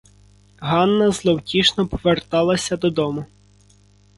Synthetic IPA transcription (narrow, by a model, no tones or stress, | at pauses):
ɦɑnːɐzlˠɔwtʲiʃnɔpɔ̥ʋert̪ɑlˠɐsʲɐd̪ɔd̪ɔmʊ